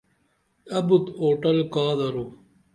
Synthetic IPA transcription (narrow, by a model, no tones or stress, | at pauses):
ɐbut̪oːʈɐlkaːðɐɾu